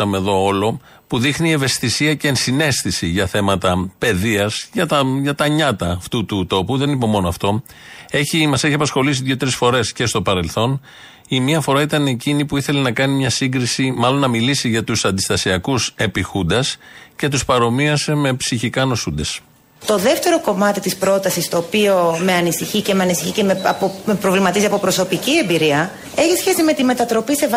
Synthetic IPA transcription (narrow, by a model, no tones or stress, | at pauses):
ɐmeðo̞o̞lo̞ | puðixnie̞ve̞st̪isiɐceːnsine̞st̪isiʝɐθe̞mɐt̪ɐpe̞ðiɐsʝɐt̪ɐʝɐt̪ɐɲɐt̪ɐːft̪ut̪ut̪o̞puðe̞nipo̞mo̞noɐft̪o̞ | e̞çimɐseçiɐpɐsxo̞lis̬iðʝo̞t̪ɾisfo̞ɾe̞sce̞st̪o̞pɐɾe̞lθo̞n | imiɐfo̞ɾɐit̪ɐneecinipuiθe̞le̞nɐkɐnimɲɐsiŋɡɾisimɐlo̞nːɐmilisiʝɐt̪usɐnd̪ist̪ɐsiɐkuse̞pixund̪ɐsce̞t̪uspɐɾo̞miɐse̞me̞psiçikɐno̞sund̪es | t̪o̞ðe̞ft̪e̞ɾo̞ko̞mɐt̪it̪ispɾo̞t̪ɐsist̪o̞ːpio̞me̞ɐnisiçicemeɐnisiçicemeomepɾo̞vlimɐt̪iziɐpo̞pɾo̞so̞picie̞mbiɾiɐ | e̞çisçe̞sime̞t̪ime̞t̪ɐt̪ɾo̞pisev